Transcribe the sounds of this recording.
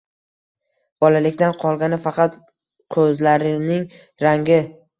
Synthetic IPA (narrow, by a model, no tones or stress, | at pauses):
b̥ɒlalɪkʲt̪anqʰɒlˠɡʲanɪfɑqɑt̪ | qʰɵzlaɾɪnɪŋ | ɾaŋɡʲɪ